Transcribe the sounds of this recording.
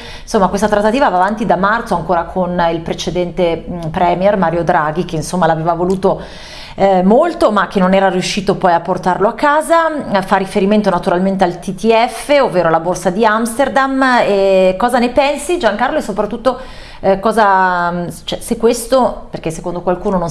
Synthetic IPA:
insomːakwest̪at̪ɾat̪ːat̪iːvavaːvant̪id̪amart̪soaŋkoːɾakʰonilpɾet͡ʃed̪ɛnt̪epɾɛːmjɛrmaːɾjod̪ɾaɡik̟einsomːalaveːvavoluːt̪o | molt̪omak̟ːenːonɛːɾaɾjuʃːiːt̪opɔjapːort̪arloakːaːzafarːifeɾiment̪onat̪uɾalment̪̬ealt̪it̪iɛfːeovːeːɾoalaborsad̪iamst̪erd̪amekɔːzanepɛnsid͡ʒaŋkarloesopɾat̪ːut̪ːo | kɔːza | t͡ʃɛsekːwest̪operk̟esːekond̪okwalkuːnonõn

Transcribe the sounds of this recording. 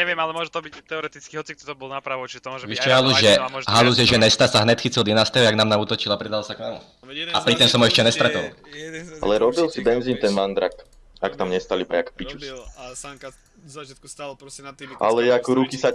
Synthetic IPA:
ɲɛʋɪɛmalɛmʊɔʒɛt̪ɔbict̪ɛɔɾɛt̪it͡skiɦɔt͡sik̚t̪ɔt̪ɔbɔlˠnapɾaʋɔt͡ʃiɛt̪ɔmɔʒʋiʃt͡ʃɛɦaluʒɛɦaluzjɛʒɛnɛst̪asaɦnɛt̪xit͡sild̪ɛnaːst̪ɛɦɔaɡnaːmnauːt̪ɔt͡ʃilapɾid̪alsaknaːmṵ | apɾit̪ɔmsɔmɛʃcɛnɛst̪ɾat̪ɔ̰ | a̰lɛɾɔbilsibɛnzint̪ɛnʋand̪ɾa̰k | akt̪amɲɛst̪alipɾakpit͡ʃus | ʔa̰lɛjɛakɔɾukisa

